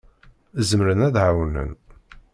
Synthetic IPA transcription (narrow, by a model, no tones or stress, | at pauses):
zmɾənæðʕawnə̰n